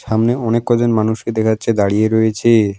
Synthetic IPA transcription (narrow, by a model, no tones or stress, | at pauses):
ʃamneɔnekːɔd͡ʑonmanuʃked̪ɛkʰatːɕʰed̪aɽieɾoet͡ɕʰe